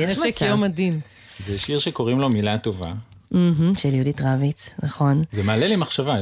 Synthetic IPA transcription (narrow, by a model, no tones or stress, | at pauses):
jɛekeomadin | zeʃiʁʃeko̞ʁimlo̞milat̪o̞va̰ | m̩ɦm̩ʃeljuditʁavit̪naχo̞nzemeːlelimaχʃava